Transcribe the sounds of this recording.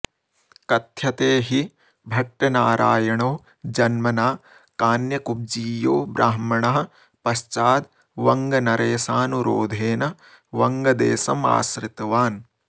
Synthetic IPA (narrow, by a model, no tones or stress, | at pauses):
kɐt̪ʰjɐt̪eːɦi | bʱɐʈːɐnaːɾʔaːjɐɳoː | d͡ʒɐnmɐnaː | kaːnjɐkub̚d͡ʒiːjoːbɾaːɦmɐɳɐɦɐ̆ | pɐst͡ʃaːd̪ | ʋɐŋɡɐnɐɾeːsaːnuɾo̰ːd̪ʱeːnɐ | ʋɐŋɡɐd̪eːsɐma̰ːsɾɪt̪ɐʋaːn